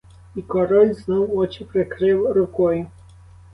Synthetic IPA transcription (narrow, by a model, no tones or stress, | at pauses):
ikɔɾɔlʲznɔwɔt͡ʃipɾɛkɾɪwɾukɔj